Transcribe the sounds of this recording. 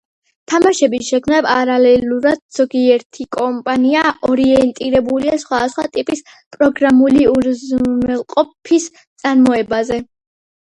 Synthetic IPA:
t̪ʰamaʃɛbiʃɛkʰmnapʼaɾalɛluɾad̪̥̚z̥ɔɡiɛɾt̪ʰikʼɔmpʼaniaɔɾiɛnt̪ʼiɾɛbuliasχwad̪asχwa̰t̪ʼipʼis | pʼɾɔɡɾamuliuɾznɛlˠqʼɔpʰis | t̪sʼaɾmɔɛbazɛ

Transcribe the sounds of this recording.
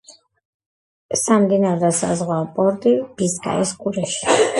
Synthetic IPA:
samd̪inaɾd̪asa̰zʁwapʼɔɾt̪ʼib̥iskʼa̰ɛskʼuɾɛʃi̥

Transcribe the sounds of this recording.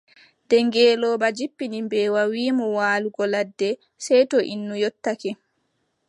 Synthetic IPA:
dɛŋɡɛːlɔːbad͡ʒipːinimbɛːwawiːmɔwaːluɡɔladːɛ | sɛjtɔʔḭnːujɔtːakɛ

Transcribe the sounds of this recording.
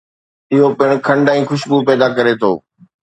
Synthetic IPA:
ɪɦopɪɽ̃kʰɐ̃ɳɖãĩːxʊʃbupɛːd̪akɐɾet̪ʰo̰ː

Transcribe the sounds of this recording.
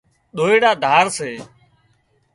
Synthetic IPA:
ɗ̪oːeːɽaːd̪ʱaːɾseː

